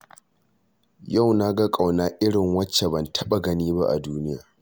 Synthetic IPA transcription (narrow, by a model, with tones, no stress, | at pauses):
ja˦˨wna˦ɡa˦kʼa˨wnaː˦ʔɪ˦ɽɪ˨ŋwɐ˦t͡ʃːe˨bɐ˨ntʰɐ˦ɓa˨ɡɐ˦niː˦ba̰˦ʔa̰˨duː˦nɪ˦ja̰ː˨